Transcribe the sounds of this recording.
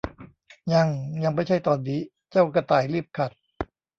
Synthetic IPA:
ɲa˧ŋja˧ŋma˧˥˩jt͡ɕʰa˧˥˩jt̪ɔː˧nːiː˦˥ | t͡ɕa˥˩wka˧˩t̪aː˨˩jliː˥˩əp̚kʰa˨˩t̪̚

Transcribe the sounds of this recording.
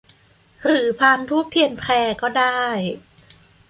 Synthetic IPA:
ɾɯː˩˦pʰaː˧nt̪ʰuː˥˩k̚pʰːi˧ənpʰlɛː˧kɔː˥˩daː˥˩j

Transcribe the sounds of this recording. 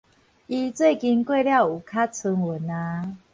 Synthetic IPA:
i˧t͡swe˥˨ɪki˧nkwe˥˧lja˥˨ʊu˨˩kʰa˦t͡sʰu˧ŋwə˨˩˦na˧˦

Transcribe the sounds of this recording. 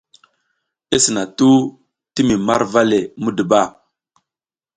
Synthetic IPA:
e˦sə˨na˨tu˦ | ti˦mi˨ma̰˦ɾva˦le˨mu˦də˨ba˦˨

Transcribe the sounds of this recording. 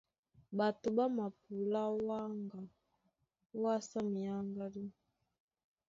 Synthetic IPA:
ba˨tu˨ba˦ma˨p̚u˨la˦wa˦ŋɡa˨ | wa˦sa˦mi˨a˦ŋɡa˦li˦

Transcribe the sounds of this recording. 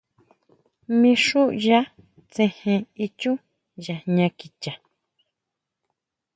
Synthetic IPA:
mĩ˧ʂu˦ʔja˦ | t͡sẽ˧hẽ˧i˧t͡ʃũ˦ | ja˨ɲã˧ki˨t͡ʃa˨

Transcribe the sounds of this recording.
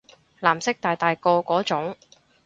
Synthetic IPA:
laː˨˩msɪ˥k̚t̪aː˨jt̪aː˨jkɔː˧kɔː˨˥t͡sʊ˨˥ŋ

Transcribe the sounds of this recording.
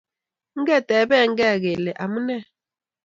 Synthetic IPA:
ŋ̩˦ɡɛ˦˨tʼɛ˨˦bɛ˦˨˦ŋ̩˦ɡɛ˦˨ɣɛ˨lɛ˨ʔa˨mu˦nɛ˦

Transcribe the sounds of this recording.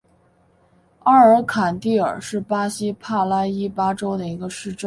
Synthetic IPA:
a˥˩ə˞˧˥kʰa˨˩nt̪i˥˩ə̰˞˨˩ʂɻ̩˥˩pa˥ɕi˥pʰa˥˩la˥i˥pa˥ʈ͡ʂo˥ʊd̪ə˨˩i˧˥ɡə˧ʂɻ̩˥˧ʈ͡ʂə˥˩

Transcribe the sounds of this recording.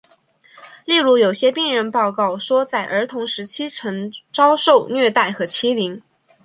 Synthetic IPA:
li˥˩ɻu˧˥jo˨˩ʊɕjɛ˥pi˥˩ŋɻə˧˥npɑ˥˧ʊkɑ˥˩ʊʂwɔ˥t͡sa˥˩ɪʔə˞˧˥t̪ʰʊ˧˥ŋʂɻ̩˧˥t͡ɕʰi˥ʈ͡ʂʰɤ˧˥ŋʈ͡ʂɑ˥ʊʂo˥˧ʊnɥɛ˥˧t̪a˥˩ɪxɤ˧˥t͡ɕʰi˥li˧˥ŋ

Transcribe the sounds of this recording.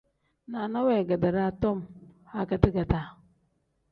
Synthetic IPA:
na˨na˦wɛ˨ɡa˨da˨ɾa˦˨tɔ˦˨mha˦ka˨ti˦ɡa˨da˨

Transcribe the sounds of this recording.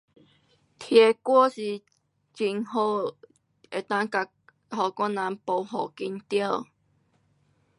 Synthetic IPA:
t̪ʰje˨˩kwɔ˥˦si˧˩ | t͡ɕi˨ŋho˧ | e˨˩t̪a˥˧ŋka˧ | hɔ˨˩kwa˥˦na˨˧˦npo˧˩ɦɔ˨˩ki˧nt̪ja˥˧

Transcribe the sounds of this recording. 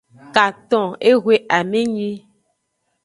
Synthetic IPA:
ka˨t̪ɔ̃˨e˦ɣwe˦ʔa˨mẽ˦ɲĩ˦

